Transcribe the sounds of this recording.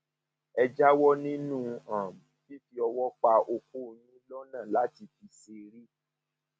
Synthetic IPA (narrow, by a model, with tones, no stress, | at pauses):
ɛ˧d͡ʒa˦wɔ˦nĩ˦nũ˦˨ã˨mũ˨ki˦fi˧ɔ˧wɔ˦k͡pa˧ʔo˧ko˦jĩ˦lɔ˦nã˦˨la˨˦ti˧fi˧se˧ɾi˦